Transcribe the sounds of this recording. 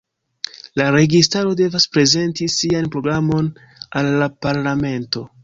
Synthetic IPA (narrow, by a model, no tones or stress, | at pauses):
laɾe̞ɡistaɾo̞de̞vaspɾe̞ze̞ntisianpɾo̞ɡɾamo̞n | alːapaɾlame̞nto̞